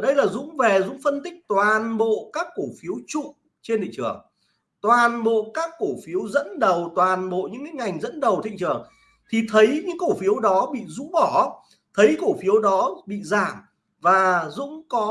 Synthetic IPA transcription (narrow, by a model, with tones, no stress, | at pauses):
ɗə˧jlaː˨˩zʊ̰˧˥ŋ͡mvɛ˨˩zʊ̰˧˥ŋ͡mfə˧nt̪ï˦˥k̚t̪waː˨˩nɓo̰˧˨kaː˦˥kːo˧˩fi˨˦əwt͡ɕʊ̰˧˨ŋ͡m | t͡ɕe˧nt̪ʰḭ˧˨ŋt͡ɕɨ̰˨˧˩əŋ | t̪waː˨˩nɓo̰˧˨kaː˦˥kːo˧˩fi˨˦əwzə̰˧˥nɗə˨˩wt̪waː˨˩nɓo̰˧˨ɲɨ̰˧˥ŋːɨ˨˦ŋa˨˩jŋ̟zə̰˧˥nɗə˨˩wt̪ʰḭ˧˨ŋt͡ɕɨ˨˩əŋ | t̪ʰi˨˩t̪ʰə˨˦jɲɨ̰˧˥ŋko˧˩fi˨˦əwɗɔ˨˦ɓḭ˧˨zʊ̰˧˥ŋ͡mɓɔ˧˩ | t̪ʰə˨˦jko˧˩fi˨˦əwɗɔ˨˦ɓḭ˧˨zaː˧˩m | vaː˨˩zʊ̰˧˥ŋ͡mkɔ˨˦